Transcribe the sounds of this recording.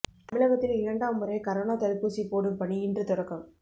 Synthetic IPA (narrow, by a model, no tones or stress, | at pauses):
t̪ɐmɪɭɐɣɐt̪ːɪlɪɾɐɳɖaːʋmʊɾɐɪkɐɾoːnaːt̪ɐlpːuːsipoːɽɯmpɐɳiɪndrɯt̪ʊɾɐkːɐm